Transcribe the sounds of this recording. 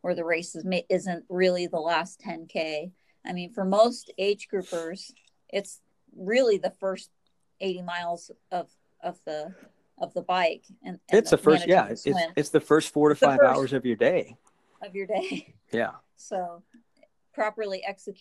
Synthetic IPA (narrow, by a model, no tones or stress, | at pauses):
wə˞ðɨɹeɪsɨzmeɪʔɪzɨ̃nʔɹɪlˠiðəlæstʰɛ̃nkʰeɪ | ʔaɪmĩnfə˞moʊsteɪd͡ʒɡɹʉpə˞z̥ | ʔɪts | ɹɪlˠiðɨfɜ˞st̚ | eɪɾimaɪlˠz̥ | ʌv | ʔʌvðə | ʔʌvðəbaɪkɨ̃nɨ̃ɨsðɨfɜ˞nɨjæɪɨwɪ̃nɨtsðɨfɜ˞stfɔɹɾɨfaɪvaʊə˞zʌvjə˞deɪ | ʌvjə˞deɪ | jæ̰ | soʊ | pʰɹ̥ɑpə˞lˠiʔɛksɨkʰ